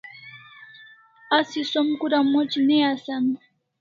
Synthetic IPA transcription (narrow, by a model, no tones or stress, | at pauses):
asisomkʊɾamot͡ʃineasan